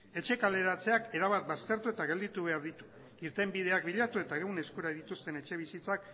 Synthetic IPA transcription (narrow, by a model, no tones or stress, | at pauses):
e̞t͡ʃe̞kale̞ɾat͡se̞ake̞ɾaβat̪̚bast̪e̞ɾt̪ue̞t̪aɣe̞ld̪it̪uβe̞aɾðit̪u̥ | iɾt̪e̞mbið̞e̞ak̚biʎat̪ue̞t̪aewne̞skuɾaðit̪ust̪e̞ne̞t͡ʃe̞β̞isit͡sak